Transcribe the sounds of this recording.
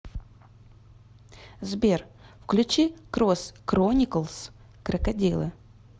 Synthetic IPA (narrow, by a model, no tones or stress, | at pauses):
zbʲerfklʲʉt͡ɕikɾoskɾonʲɪkəlˠs | kɾɐkɐdʲilˠɨ̰